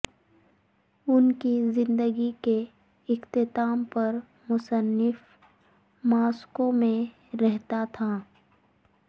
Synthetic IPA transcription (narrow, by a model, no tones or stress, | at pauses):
ʊnkizɪ̃nd̪əɡike | ɪxt̪ɪt̪aːmpɐɾ | mʊsənːɪf | maːskõmẽ | ɾɛɦt̪at̪ʰa